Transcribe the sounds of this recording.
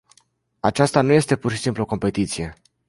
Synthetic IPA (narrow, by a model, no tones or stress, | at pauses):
at͡ʃast̪anuje̞st̪e̞purʃi̥simpluoko̞mpe̞t̪it̪sije̞